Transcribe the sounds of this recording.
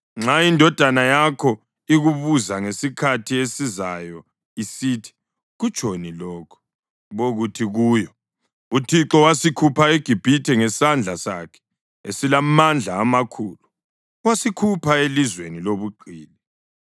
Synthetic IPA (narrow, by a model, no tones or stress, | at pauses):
ŋ͡ǁaindʱɔd̥ʱanajakʰɔ | iɣuβuzaŋesikʰatʰiesizajɔ | isitʰi̥ | ɣut͡ʃʼonilɔːkʰɔ̥ | βoɣutʰiɣuːjɔ | utʰiǁɔwasikʰupʰaeɡ̥ʱib̥ʱitʰɛŋɛsand͡ɮʱasa̰kʰɛ̥ | esilamand͡ɮʱaːmakʰuːlu | wasikʰupʰaelizweniloβuǃʱiːli